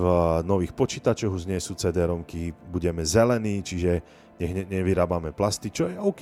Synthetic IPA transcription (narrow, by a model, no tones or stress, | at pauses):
nɔʋiːxpɔt͡ʃiːt̪at͡ʃɔɣuʒɲɛsuːt͡sɛd̪ɛɾɔmkibuɟɛmɛzɛlɛniːt͡ʃiʒɛ | ɛɣɲɛɲɛʋiɾaːbamɛplast̪it͡ʃɔjɛɔʊk